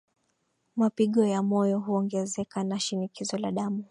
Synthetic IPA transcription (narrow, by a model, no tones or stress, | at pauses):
mapiɠɔjamɔjɔɦuɔŋɡɛzɛkanaʃinikizɔlaɗamu